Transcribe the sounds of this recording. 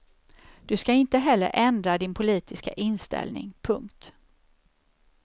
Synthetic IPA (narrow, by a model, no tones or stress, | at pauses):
d̪̥ɵskaɪnt̪əɦɛlːə̰ɾʔɛnd̪ɾad̪ɪnpʰʊliːt̪ɪska̰ʔɪnst̪ɛ̰lnɪ̰ŋpʰɵŋkt̪